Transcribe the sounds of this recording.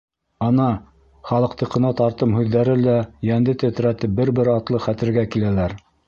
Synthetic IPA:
ɑnɑ | χɑlˠɤ̆qt̪ɤ̆qɤ̆nɑt̪ɑɾt̪ɤmhʉðːæɾɘlæjænd̪ɘt̪ɘ̆t̪ɾæt̪ɘp̚bɘɾbɘɾɑt̪lˠɤχæt̪ɘ̆ɾɡækilælæɾ

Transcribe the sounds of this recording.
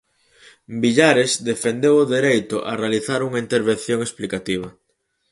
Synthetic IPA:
biʎaɾezd̪efend̪ewʊðeɾejt̪ʊʔarealiθaɾuŋɐint̪eɾβ̞en̟θjõŋesplikat̪iβ̞ɐ

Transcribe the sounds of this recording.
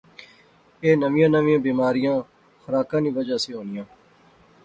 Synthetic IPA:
eːnəʋɪjãːnəʋɪ̃jãːbiːmaːɾɪjãː | xəɾaːkãːnĩːʋəd͡ʒaːseːɦoːnɪjãː

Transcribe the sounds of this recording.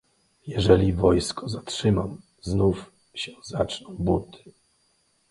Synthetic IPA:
jɛʐɛlʲivɔjskɔzatʂɘmam | znuf | ɕɛzat͡ʂnɔ̃w̃but̪ɪ̥

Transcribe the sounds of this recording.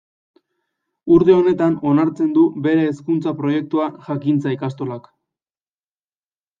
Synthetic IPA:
uɾt̪e̞o̞ne̞t̪ano̞naɾt͡se̞nd̪ube̞ɾe̞ːskunt͡sapɾo̞je̞k̚t̪uaʝakint͡saikast̪o̞lak

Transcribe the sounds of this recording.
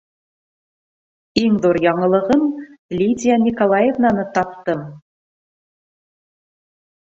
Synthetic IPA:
iŋd̪uɾjɑɴɤ̆lˠɤ̆ʁɤmlʲid̪ʲijanʲikolˠɑjevnɑnɤt̪ɑp̚t̪ɤm

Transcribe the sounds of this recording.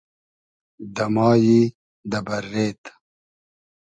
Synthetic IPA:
d̪ɐmɑːji | d̪ɐbɐɾːeːt̪

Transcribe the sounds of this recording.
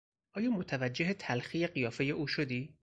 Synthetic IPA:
ʔɒːjɒːmot̪ʰævæd͡ʒːe̞ɦet̪ʰælxiːje̞ɢijɒːfe̞je̞ʔuːʃod̪iː

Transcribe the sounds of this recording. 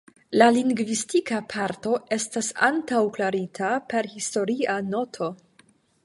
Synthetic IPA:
laliŋɡvistikapʰaɾto̞e̞stasantawklaɾitʰape̞ɾhisto̞ɾiano̞tʰo̞

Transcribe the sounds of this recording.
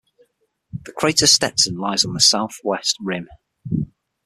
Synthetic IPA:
ðəkʰɹ̥eɪtəstɛtsə̃nlaɪzn̩ðəsaʊθwɛst̚ɹɪ̃m

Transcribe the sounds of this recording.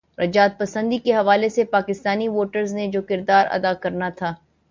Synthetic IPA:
ɾʔɐd͡ʒaːt̪̚pɐsə̃nd̪ikeɦɐʋaːlesepaːkɪst̪aːniʋoːʈəɾzned͡ʒoːkɪɾd̪aːɾɐ̰d̪akɐɾnat̪ʰaː

